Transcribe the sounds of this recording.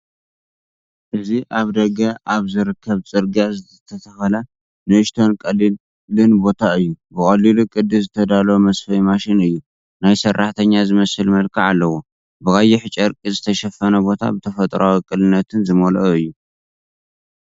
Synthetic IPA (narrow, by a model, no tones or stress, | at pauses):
ʔɨziʔaβd̪ɐɡɐʔaβzɨɾɨkʰːɐβt͡sʼɨɾɡiazɨt̪ʰɐt̪ʰɐt̪ʰɐxɐla | nɨɨʃt̪ʰo̞nkʼɐli | lɨnbo̞t̪ʰaɨjːubɨkʼɐlilukʼɨd̪ːɨzɨt̪ʰɐd̪alomɐsfɐjmaʃɪnɨjːu | najsɐrʔaħt̪ʰɐɲːazɨmɐsɨlmɐlkʰaʕalːɐwo | bɨkʼajiħɨt͡ʃʼɐɾkʼizɨt̪ʰɐʃɛfɐnɐbo̞t̪ʰa̰bɨt̪ʰɐfɐt̪ʼɾawikʼɨlɨnːɐt̪ʰɨnzɨmoloɨjːu